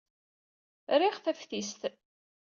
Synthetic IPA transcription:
ɾiʁθæfθist̪

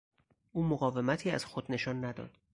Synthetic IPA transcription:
ʔuːmoɣɒːve̞mæt̪ʰiːæ̰z̥xod̪ne̞ʃɒːnːæd̪ɒ̰ːd̪̥

